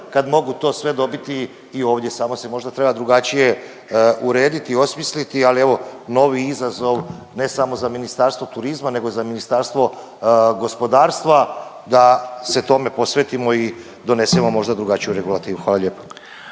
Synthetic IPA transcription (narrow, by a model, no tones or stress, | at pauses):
kad̪mo̞ɡut̪o̞ːsʋe̞d̪o̞bit̪iː | o̞ːʋd̪ʲjesaːmo̞se̞mo̞ʒd̪at̪ɾe̞bad̪ɾuɡat͡ʃije̞ | uɾe̞ːd̪it̪io̞smislit̪ialieʋo̞no̞ʋiizazo̞ʋ | ne̞samo̞zaminist̪aɾst̪ʋo̞t̪uɾizmane̞ɡo̞zaminist̪aːɾst̪ʋo̞ | ɡo̞spo̞d̪aːɾst̪ʋa | d̪ase̞t̪o̞me̞po̞sʋeːt̪imo̞i | d̪o̞ne̞simo̞mo̞ʒd̪ad̪ɾuɡat͡ʃijuɾe̞ɡulˠat̪iːʋuxʋaːlaʎʲjeːpo̥